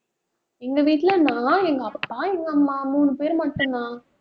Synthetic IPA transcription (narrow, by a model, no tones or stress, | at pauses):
ɛŋɡɐʋiːʈːɪlɐnãːɛŋɡɐɐpʈãːɛŋɡɐmːaːmuːnɯpeːɾmɐʈːɯnnãː